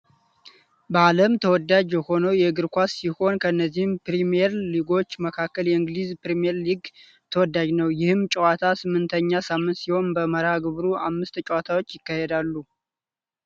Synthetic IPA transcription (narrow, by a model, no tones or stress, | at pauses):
bəaləmt̪ʰəwɔd̪ad͡ʒjɛho̞nəwjɛɡɨɾkʷasːiho̞nkʰəɨnːəzːihɨmpɾimijɛɾliɡo̞t͡ʃːməkʰakːəljɛɨŋɡlizpɾimijɛɾliɡ | t̪ʰəwɔd̪ːad͡ʒnəwjɪhɨmt͡ʃʼɛwat̪ʰasɨmːɨnt̪ʰəɲːasamːɨnt̪siho̞nbəməɾaɡɨβɾuʔamːɨst̪t͡ʃʼɛwat̪ʰawot͡ʃːjɪkːahed̪alːu